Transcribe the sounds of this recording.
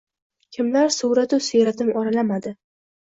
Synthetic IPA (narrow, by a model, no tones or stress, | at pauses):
kʲʰɪmlaɾsʊwɾat̪ʊsʊjɾat̪ɪmɒɾalamad̪ɪ